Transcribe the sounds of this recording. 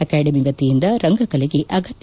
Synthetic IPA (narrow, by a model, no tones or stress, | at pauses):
ɐkaːɖɐmiʋɐt̪ːijind̪ɐɾɐŋɡɐkɐleɡeʔɐɡɐt̪j